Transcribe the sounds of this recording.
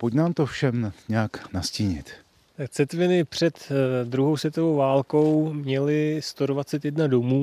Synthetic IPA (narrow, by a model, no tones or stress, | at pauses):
pocnaːmt̪ofʃɛmɲɛaknasciːɲɪ̰t̪ | t̪ak̚t͡sɛt̪vɪnɪpr̝̥ɛt̪d̪ɾuɦo̞wsvjɛt̪o̞vo̞wvaːlko̞wmɲɛlɪst̪o̞dvat͡sɛt̪jɛdnado̞muː